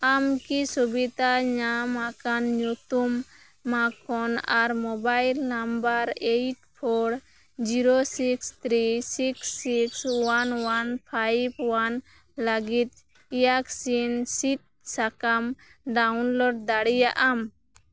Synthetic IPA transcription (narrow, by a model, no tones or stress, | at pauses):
amkisubit̪aɲamakanɲut̪umː | akɔnaɾmɔbajlnambəɾejʈpʰɔɾ | d͡ʒiɾosikst̪ɾisiksikswanwanpʰajb̚wan | ləɡit̪̚ | ijaksinsit̪̚sakam | ɖawnlɔɖ̚d̪aɽijaʔam